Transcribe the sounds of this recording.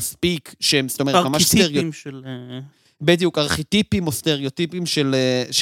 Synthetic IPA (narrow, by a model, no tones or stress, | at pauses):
spikʃemst̪o̞memamaʃst̪eʁjo | bed̪ijukaʁχit̪ipimo̞st̪e̞ʁeot̪ipimʃeleʃ